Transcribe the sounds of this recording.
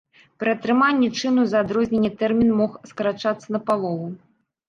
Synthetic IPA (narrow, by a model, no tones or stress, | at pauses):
pɾɨɐt̪ɾɨmanʲːɛt͡ʂɨnuzɐaːd̪ɾɔzʲnʲenʲːɛt̪ɛrmʲinmɔxskɐɾat͡ʂat̪sːɐnɐpalˠɔvu